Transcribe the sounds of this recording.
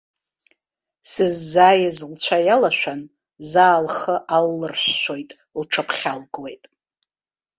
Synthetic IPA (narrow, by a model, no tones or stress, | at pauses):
sɨzːaːjazlt͡ɕʷʰajalaʃʷᶣan | zaːlχəʔalːɨrʃʷːojtʼ | lʈ͡ʂʰapʰχʲalɡwe̞jtʼ